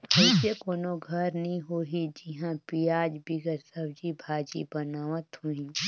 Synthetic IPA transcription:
ɐɪsekoːnoɡʱɐɾnɐɦĩɦoːɦid͡ʒɪɦãpijaːd͡ʒbiɡəɾsəbd͡ʒibʱaːd͡ʒḭbɐnaːʋət̪ɦuĩː

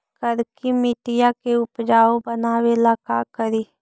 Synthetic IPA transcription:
kəɾkimɪʈɪjakeʊpd͡ʒaːobənaːwelaːkakəɾiː

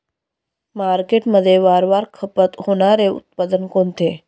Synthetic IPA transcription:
maɾkeʈməd̪ʱːjeʋaɾʋaɾkʰəpət̪ɦoɽ̃aɾeṵt̪̚pad̪ənkont̪ʰe

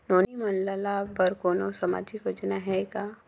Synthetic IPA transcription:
noːnimɐnlalabɐɾkoːnosɐma̰ːd͡ʒikod͡ʒnaɦɛkaː

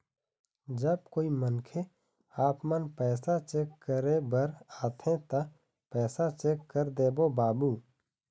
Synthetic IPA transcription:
d͡ʒəb̚koːimənkʰe | aːpmənpɛːsat͡ʃeːkʰːəɾebəɾaːt̪ʰẽt̪ɐ | pɛːsat͡ʃeːkːəɾd̪eːbobaːbuː

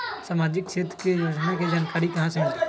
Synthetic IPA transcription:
saːmaːd͡ʒɪkʃeːt̪kejod͡ʒnaked͡ʒaːnkaːɾikɐɦãsem

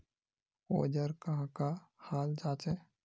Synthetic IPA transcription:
o̰ːd͡ʒəɾkɐɦãkahaːld͡ʒaːt͡ʃe

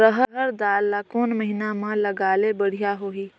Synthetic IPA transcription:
ɾəɦəɦəɾd̪aːlːakoːnməɦɪnamãlɐɡaːlebəɽ̤ijaɦoːiː

